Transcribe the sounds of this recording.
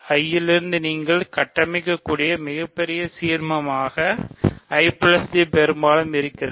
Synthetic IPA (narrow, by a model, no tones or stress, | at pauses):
ɐjːɪlɪɾɯnd̪ɯniːŋɡɐɭkɐʈːɐmɐɪkːɐkːuːɽɪjɐmɪɣɐpːɛɾɪjɐsiːɾmɐmaːɣɐɐɪplɐst̪ipɛɾɯmbaːlɯmɪɾɯkːɪrɐ